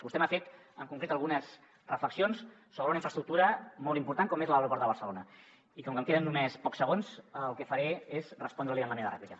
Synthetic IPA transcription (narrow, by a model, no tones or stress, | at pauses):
bust̪ɛmafet̪ | əŋkuŋkɾet̪əlˠɣunəz | rəfləksijons | soβɾəunəiɱfɾəst̪ɾuk̚t̪uɾəmɔlˠt̪impuɾt̪aŋkɔmezləəwɾupɔɾt̪d̪əβərsəlonə | ikɔŋkəmkeðənːumespɔksəɣonslˠkəfəɾeezrəspɔnd̪ɾəliəməneɾðərɛ̰plikə